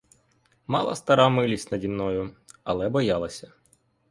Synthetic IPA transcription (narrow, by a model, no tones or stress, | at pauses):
mɑ̰lˠɐ̰st̪ɐɾɑmɪlʲisʲtʲnɐdʲinːɔjʊɐlˠɛbɔjɑlˠɐsʲɐ